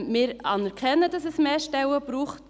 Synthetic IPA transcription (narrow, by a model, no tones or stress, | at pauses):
mɪːɾɑ̰nɛɾkʰɛnːədɑsɛsmeːʃtɛwəb̥ɾuːχt